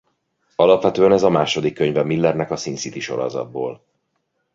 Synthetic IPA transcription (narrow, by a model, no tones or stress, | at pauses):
ɒlɒpʋɛt̪øːɛnɛzɒmaːʃo̞d̪ikːøɲvɛmilːɛrnɛkɒsinsit̪iʃo̞̰ɾo̰zɒ̰d̪̚boːl